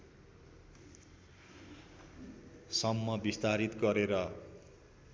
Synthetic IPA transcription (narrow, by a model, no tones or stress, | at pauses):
sʌmːʌbist̪aɾit̪ɡʌɾeɾʌ